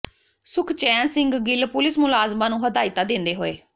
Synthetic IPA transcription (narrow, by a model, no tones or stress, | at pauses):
sʊkʰt͡ʃɛːnsɪ̃ŋɡɡɪlpʊlɪsmʊlaːzmãːnũːɦəd̪aːɪt̪ãːd̪ɪ̃nd̪eːɦoːḛː